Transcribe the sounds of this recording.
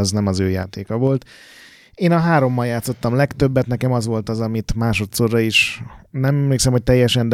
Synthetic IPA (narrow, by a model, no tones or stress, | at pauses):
znɛmɒzøːja̰ːt̪eːkɒvo̞lt̪ | eːnɒɦaːɾo̞mːɒljaːt̪so̞t̪ːɒmlɛkt̪ø̞bːɛt̪nɛkɛmɒzʋo̞lt̪ɒzɒmit̪maːʃo̞t̪soːrːɒiʃnɛmmleːksɛmho̞c̚t̪ɛjːɛʃɛnd̪